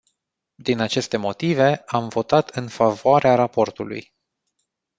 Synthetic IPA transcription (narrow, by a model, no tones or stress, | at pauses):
d̪inat͡ʃe̞st̪e̞mo̞t̪ive̞amvo̞t̪at̪ɨnfavoaɾeaɾapo̞rt̪ulṵj